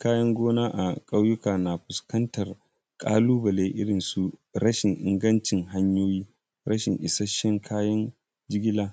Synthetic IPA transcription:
kaː˦jɐ˦ŋɡʷoː˦naː˦ʔa̰˨kʼɐ˦wjʊ˦kaː˨na˨ɸʊ˨skɐ˦ntɐ˨r | kʼa̰ː˦luː˦bɐ˨leː˦ʔɪ˦ɽɪ˨nsu˨ | ɾɐ˦ʃɪ˨ŋʔɪ˨ŋɡɐ˦nt͡ʃɪ˨ŋɦa˦ɲjoː˦jiː˦ | ɾɐ˦ʃɪ˨ŋʔɪ˨sɐ˦ʃːɛ˦ŋkʰaː˦jɐ˦n | d͡ʒɪ˦ɡʲɪ˦laː˦

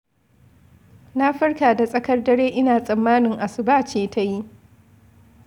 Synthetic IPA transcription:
na˦ɸɐ˦rkaː˨da˨sʼɐ˦kɐ˦rdɐ˦ɾeː˦ʔɪ˦naː˨sʼɐ˨mːaː˦nɪ˨ŋʔa˨sɪ˨baː˦t͡ʃeː˨ta˦ji˦ʔ

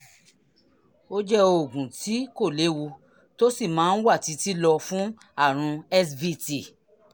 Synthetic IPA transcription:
o˦d͡ʒɛ˦o˨ɡũ˨ti˨˦ko˦˨le˨˦wu˧ | to˦si˦˨mãː˨˦n̩˦wa˦˨ti˧˦ti˦lɔ˧fũ˦ | a˦˨ɾ̃ũ˧ɛ˦svi˦ti˦˨

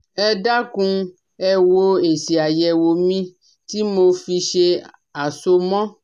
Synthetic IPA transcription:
ɛ˦ɖa˦kũ˦ | ɛ˧wo˦e˨si˨a˨jɛ˨wo˨mĩ˦ | t̪i˦mo˧fi˧ʃe˧ | a˨so˧mɔ̃˦

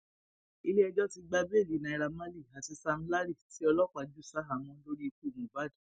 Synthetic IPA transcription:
i˧le˦ɛ˧d͡ʒɔ˦ti˧ɡ͡ba˧be˦˨li˨nã˨i˨˧ɾa˧mã˦li˦˨a˨ti˧sa˧m̩̃˦la˦ɾi˦˨˦ti˦ɔ˧lɔ˦kʷa˨˦d͡ʒu˦˨sa˦ɦa˨mɔ̃˧˦lo˦ɾi˦i˧ku˦˨mũ˨va˦˨d

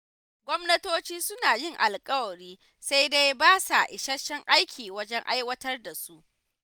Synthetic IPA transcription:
ɡʷɔ˦mnɐ˦toː˦t͡ʃiː˦sʊ˦naː˨jɪ˦˨ŋʔa˨lkʼɐ˦wɐ˨ɽiː˦ | sa˦jde˦jbaː˦sa˨ʔɪ˨ʃɐ˦ʃːɛ˦ŋʔa˦jkʲʰiː˨wɐ˦d͡ʒɛ˦ŋʔa̰˦jwɐ˦tɐ˦rda˨su˦ʔ

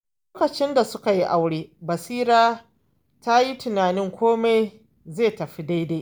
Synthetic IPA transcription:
oː˦kɐ˨t͡ʃɪ˦nda˨sʊ˦ka˨ji˦ʔa˨wɽeː˦bɐ˨siː˦ɾaː˦ | ta˦ji˦tʊ˨naː˨nɪ˦ŋkʷʰoː˦ma˦j | zeː˦˨tɐ˨ɸi˦da˦jde˦

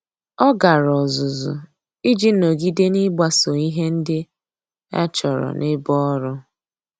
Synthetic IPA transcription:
ɔ˦ɡa˨ɾɔ˨zʊ˨zʊ̰˨ | i˦d͡ʒi˦no˨ɡi˦de˦ni˦ɡ͡ba˦so˨ŋi˦ɦe˦n̩˦dɪ˦ | ɛ̰˦t͡ʃɔ˨ɾɔ̰˨nʔɪ˦bɔ˦ɾʊ˦

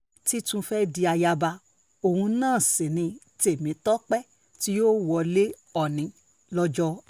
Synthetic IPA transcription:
ti˦tũ˧fɛ˦di˧a˧ja˧ba˧ | o˨hũ˧nãː˦˨sẽ˨nĩ˧ | te˨mĩ˨˦tɔ˦k͡pɛ˦ | ti˦jo˦wɔ˧le˦ | ɔ˦˨nĩ˨˧˦ | lɔ˦d͡ʒɔ˦

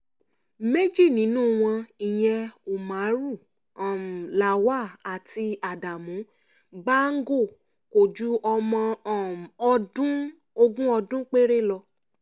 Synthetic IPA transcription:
me˦d͡ʒi˦˨nĩ˨˦nũ˦˨w̃ɔ̃˧i˨j̃ɛ̃˧u˨mã˨˦ɾu˦˨ | la˨wa˦a˨ti˧a˨da˨mũ˨˦ | ba˦ŋ̩˦ɡo˦˨ | ko˨d͡ʒu˨˦ʔɔ˧mɔ̃˧˨ | ɔ˧dũ˦ | o˧ɡũ˦ɔ˧dũ˦k͡pe˦ɾe˦lɔ˧

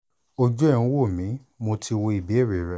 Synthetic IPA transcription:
o˧d͡ʒɔ˦e˦˨ũ˦wo˦˨mĩ˨˦ | mo˧tʰi˧wo˧i˨bi˨˦e˦˨ɾe˨˦ɾɛ˧˦

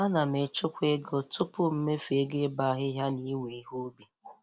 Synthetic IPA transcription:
a˦na˨m̩˨e˨t͡ʃʊ˦kʷe˦ɡo˦tʰʊ˦pʊ˦m̩˦me˦fe˦ɡe˦ba˦ɦɪ˦ɦja˦ni˦we˨˦ɦu˦bi˨

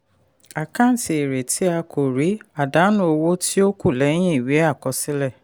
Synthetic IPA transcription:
a˨kã˦˨n̩˨ti˨e˨ɾe˨tʰi˦a˧kʰo˨ɾi˨˦a˨da˨˦nũ˦o˧wo˦ti˦o˦ku˦˨lɛ˨˦j̃ĩ˦i˦˨wi˨˦a˦˨kɔ˧˦si˦lɛ˦˨

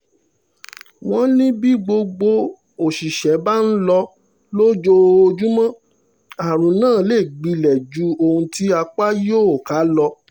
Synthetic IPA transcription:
w̃ɔ̃˦nĩ˦bi˦ɡ͡bo˧ɡ͡bo˧ | o˨ʃi˨ʃɛ˨˦ba˦n̩˦lɔ˧ | lo˦d͡ʒo˧o˧d͡ʒu˦mã˦ | a˨ɾ̃ũ˨nãː˦˨˦le˦˨ɡ͡bi˧˦lɛ˨d͡ʒu˨˦o˧hũ˧ti˦a˧k͡pa˦jo˦˨o˨ka˨˦lɔ˧

